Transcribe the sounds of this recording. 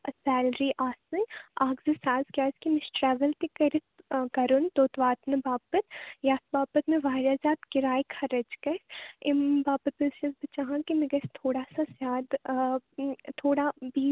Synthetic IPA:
ɐsɛːlɾiʔaːsɨaːɡzisaːzkʲjaːskimɪʃʈɾɛːʋəlt̪ikɐɾɪt̪kɐɾunt̪oːt̪ʋaːt̪nɨbaːbət̪jaːt̪baːbət̪mẽʋaːɾaːzaːt̪kɪɾaːikʰɐɾəd͡ʒkɐɪmbaːbət̪ɐʃɐzbɐt͡ʃaːɦãkimeɡɐst̪ʰoːɽaːsasjaːd̪ | t̪ʰoːɽabiː

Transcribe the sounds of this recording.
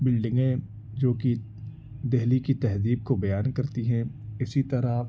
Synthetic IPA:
bɪlɖɪ̃ŋɡẽ | d͡ʒoːki | d̪ɛɦlikit̪ɛɦziːb̚kobɐjaːnkɐɾt̪iɦɛ̃ɪsit̪ɐɾa

